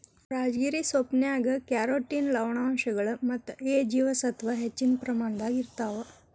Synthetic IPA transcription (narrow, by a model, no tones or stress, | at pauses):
ɾaːd͡ʒɡiɾisopnjaːɡɐkjaɾoːʈːinlɐwɳaːmʃɐɡɐɭɐmɐt̪ːeːd͡ʒiːʋɐsɐt̪ʋɐɦet͡ʃːinpɾɐmaːɳd̪aːɡiɾt̪aːʋɐ